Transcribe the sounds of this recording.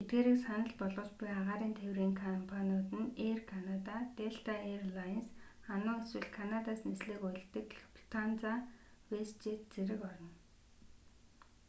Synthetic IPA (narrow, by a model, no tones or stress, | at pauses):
et̪̚ɡeːɾĭːksanə̆ɮpɔɮʁʊ̆ːt͡ɕpʊjaʁaːɾiːnt̪ʰewriːŋkʰɔmpʰanijʊːt̪ɘ̆nerkʰanat̪at̪eɬt̪ʰaerlans | anʊːeswɘ̆ɮkʰanat̪aːsnesɮɘːkʊjɮt̪ɘ̆kɮpʰt̪ʰant͡sa | west͡ɕet̪̚t͡seɾɘ̆kɔɾɞ̆n